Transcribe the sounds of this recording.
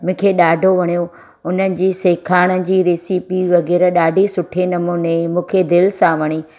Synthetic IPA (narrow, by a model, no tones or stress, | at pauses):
mʊ̃ːkʰeɗaːɖʱoʋɐɽ̃ijo | ʊn̤ənɪ̆d͡ʑiːseːkʰaːɽ̃ə̆d͡ʑiːɾeːsiːpiʋɐɣɛːɾəɗaːɖʱisʊʈʰenɐmoːnemũːkʰed̪ɪlsãʋɐɽ̃iː